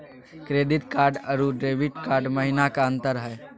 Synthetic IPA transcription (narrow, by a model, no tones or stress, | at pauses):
kɾeːd̪ɪt̪kaːɾɖəɾuɖɾeːʋiʈkaːɾɖməɦinakaə̃nt̪əɾɦɛ